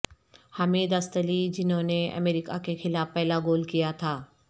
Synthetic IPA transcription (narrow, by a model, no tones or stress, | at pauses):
haːmeːd̪ɐst̪əlid͡ʑɪnɦõneɐ̰meːɾikakʰexɪlaːfpɛɦɪlaɡoːlkijat̪ʰaː